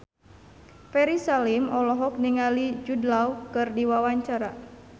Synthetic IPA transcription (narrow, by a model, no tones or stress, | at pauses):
fɛɾisalimɔlɔɦɔk̚niŋalid͡ʒudlaukɨrdiwawaɲt͡ʃaɾa